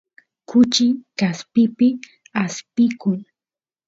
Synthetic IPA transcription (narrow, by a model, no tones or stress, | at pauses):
kʊt͡ʃɪkaspɪpɪ | aspɪkʊŋ